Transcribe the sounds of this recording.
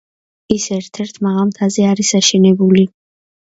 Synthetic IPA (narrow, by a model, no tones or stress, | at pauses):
isɛɾt̪ʰɛɾt̪ʰmaʁalˠmt̪ʰazɛaɾisaʃɛnɛbuli